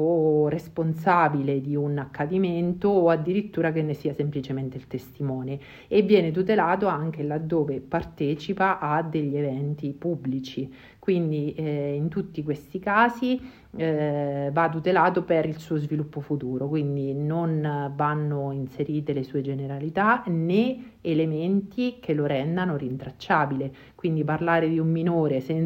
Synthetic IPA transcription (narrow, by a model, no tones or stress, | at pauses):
oresponsaːbiled̪iunakːad̪iment̪oːad̪ːiɾit̪ːuːɾakenːesiːasemplit͡ʃement̪eilt̪est̪imɔːne | evːjɛːnet̪̬ut̪̬elaːt̪̬oaŋk̟elad̪ːoːvepart̪ɛːt͡ʃipaʔad̪ːeʎːevɛnt̪ipubːlit͡ʃi | kwind̪iint̪ut̪ːikwest̪ikaːzi | vat̪ːut̪elaːt̪opeɾilsuːozvilupːofut̪uːɾokwind̪inonvanːoinseɾiːt̪elesuːed͡ʒeneɾalit̪ane | element̪ik̟ʰeloɾɛnd̪anoɾint̪ɾat͡ʃːaːbile | kwind̪ip̬arlaːɾed̪iumːinoːɾesɛn